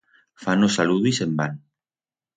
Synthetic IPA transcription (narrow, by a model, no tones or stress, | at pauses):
fanosaluðisemban